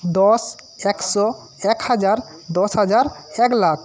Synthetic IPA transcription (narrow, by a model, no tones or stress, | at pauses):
d̪ɔs | ɛksɔ | ɛkhad͡ʒaɾ | d̪ɔsɦad͡ʒaɾɛklakʰ